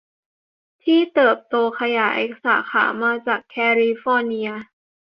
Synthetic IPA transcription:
t̪ʰiː˥˩t̪ɤː˨˩p̚t̪oː˧kʰa˧jaː˩˦jʔḛ˦˩k̚sa̰ː˩˦xʰa̰ː˩˦maː˧t͡ɕaː˨˩kʰːɛː˧liː˧fɔː˧ni˧ɐ

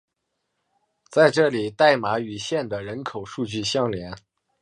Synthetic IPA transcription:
t͡sa˥˧ɪʈ͡ʂɤ˥˩li˨˩t̪a˥˩ɪma˧˥y˨˩ɕjɛ˥˩nd̪ə˩ɻə˧˥nkʰo˨˩ʊʂu˥˧t͡ɕy˥˩ɕjɑ˥˩ŋljɛ˧˥n

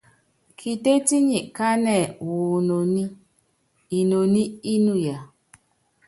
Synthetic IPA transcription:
kʰi˨te˦ti˦ɲi˨ʔka˦nɛ˨wu˨no˨ni˦ | i˨no˨ni˦i˦nu˦˨ja˨

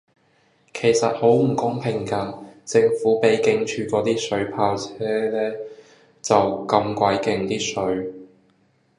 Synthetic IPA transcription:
kʰe˨˩jsɐ˨t̚ho˨˥wm̩˨˩kʊ˥ŋpʰɪ˨˩ŋkaː˧t͡sɪ˧ŋfuː˨˥pe˨˥jkɪ˧ŋt͡ʃʰyː˧kɔː˨˧˥t̪iː˥sɵ˨˥ɥpʰaː˧wt͡sʰɛː˥lɛː˥ | t͡sɐ˨wkɐ˧mkʷa˨˧˥jkɪ˨˧ŋt̪iː˥sɵ˨˥ɥ

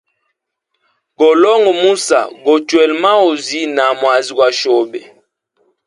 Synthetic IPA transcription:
ɡɔ˨lɔ˦ŋɡɔ˨mu˦sa̰˨ɡɔ˨t͡ʃwɛ˨lma˦o˨zi˦na˨mwa˨zi˨ɡwa˨ʃɔ˨bɛ˨

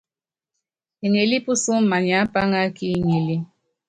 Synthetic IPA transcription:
e˨ŋe˨li˦pu˦su˦m˦ma˨ɲ˨a˨˦pa˦ŋa˦ki˦˨ɲi˨li˦

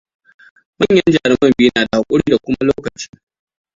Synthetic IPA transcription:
mɐ˦ɲjɐ˦nd͡ʒaː˨ɽɪ˦mɐ˦mbiː˦naː˨da˨ha˨kʷʼʊ˦ɽiː˦da˨kʷʊ˦ma˦loː˦kɐ˨t͡ʃɪ˦

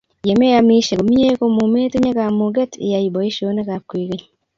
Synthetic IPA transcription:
je˨me˦ja˦mi˦ʃe˨ko˨mi˦e˦ko˦mu˨me˦te˦ɲa˦kamo˨ɡe˦tḛ˨ja˨ibo˨i˦ʃo˦ne˦ka˨kwi˨keɲ

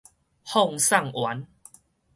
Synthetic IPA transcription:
hɔ˥˨ŋsa˥˨ŋwa˨˦n

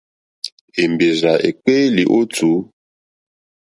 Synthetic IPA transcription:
e˨mbe˨za˨ḛ˨k͡pe˦li˨ʔo˦tu˨˦

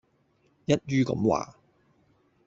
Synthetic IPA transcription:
jɐ˥t̚jyː˥kɐ̰˨˥mwa̰ː˨

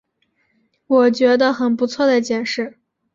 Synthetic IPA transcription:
wɔ˨˩t͡ɕɥɛ˧˥d̪ə˧xə˨˩npu˧˥t͡sʰwɔ˥˩d̪ə˩t͡ɕjɛ˨˩nʂɻ̩˥˩

